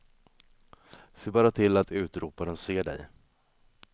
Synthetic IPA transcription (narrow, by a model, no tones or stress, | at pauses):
seːbɑːɾat̪ʰɪlːat̪ʉ̟ːt̪ɾuːpaɾənseːɖɛ̰j